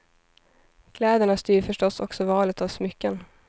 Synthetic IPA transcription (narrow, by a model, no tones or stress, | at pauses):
kʰlɛːd̪əɳast̪yːɾfœʂʈɔsɔksɔvɑːlət̪avsmʏkːən